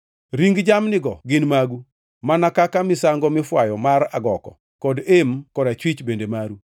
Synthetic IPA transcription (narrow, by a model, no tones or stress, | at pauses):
ɾiŋɡd͡ʒamnɪɡɔɡɪnmaɡu | manakakamɪsaŋɡɔmɪfwajɔmaɾaɡɔkɔ̰ | kɔdemkɔdat͡ʃwit͡ʃbendemaɾu